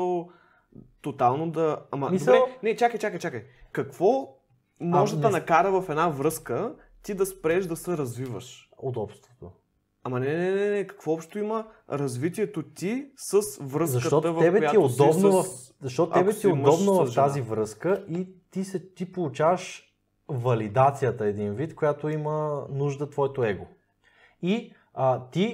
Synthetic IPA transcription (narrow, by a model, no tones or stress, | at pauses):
o | t̪ot̪alˠnod̪ɐamɐmdiɾɛnɛt͡ʃakəjt͡ʃakəjt͡ʃakəjkɐkv̥ɔ | mɔʒɛd̪ɐnɐkaɾəvɐfɛd̪navɾɤskə | t̪id̪ɐspɾɛʒd̪ɐsɛɾɐzvivə̰ʃod̪ɔpst̪vot̪o | amɐnɛnɛnɛnɛkɐ̥kvɔɔpʃt̪oimə | ɾɐzvit̪̬iɛt̪ot̪isəsvɾəszɐʃt̪ɔt̪vɛbɛjt̪iɛod̪ɔbnovɐf | zɐʃ̬t̪ɔt̪oɛbɛt̪iɛodmɔbnɐvɐft̪azivɾɤskəʔit̪isɛt̪ipolˠut͡ʃavəʃ | vɐlid̪at̪sijət̪əɛd̪invit̪kojat̪oimənuʒd̪ət̪vɔɛt̪oɛɡo | i | ət̪i